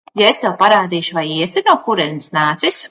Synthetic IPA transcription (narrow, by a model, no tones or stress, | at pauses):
jaest̪ɛwpaɾaːd̪iːʃuvajiɛsɛnuːkuɾɛnʲisnaːt̪sis